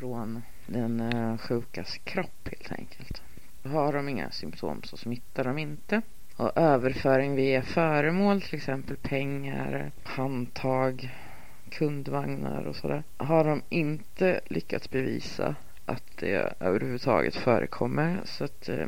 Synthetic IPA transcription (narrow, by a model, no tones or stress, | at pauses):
fɾoːn | d̪ɛnɧʉ̟ːkaskʰɾɔpːheːlt̪ʰɛ̰ŋkʰəlt̪ | ɦaɖɔmɪŋːa̰sʏmpt̪ʰo̰ːmsɔsmɪt̪ːaɖɔmɪnt̪ə | ɔʔøːvəɾfœːɾɪŋvɪjfœːɾəmoːlt̪ʰɪlɛksɛmpəlpʰɛŋːaɾ | hant̪ʰɑːɡ | kʰɵnd̪vaŋnaɾɔ̰sɔd̪æːɾɦaɖɔmɪnt̪əlʔʏkːat̪sbɛviːsa | ʔat̪d̪̥ɛ̰ø̰ːvəɾhʉvʉɵd̪t̪ʰɑ̰ːɡə̰t̪fœːɾʔə̰kʰɔmːəɾsat̪